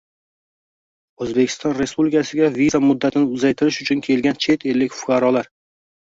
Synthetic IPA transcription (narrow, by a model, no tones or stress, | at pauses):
ɵzbekʲʰɪ̥st̪ɒnɾe̞spublɪkʰasɪɡʲavizamʊd̪ːat̪ʰɪnɪʊzajt̪ʰɪɾɪʃʊt͡ʃʰʊnkʲʰe̞lɡʲant͡ʃʰe̞t̪ʰe̞lːɪkʲfʊ̥kʰɑɾɒlaɾ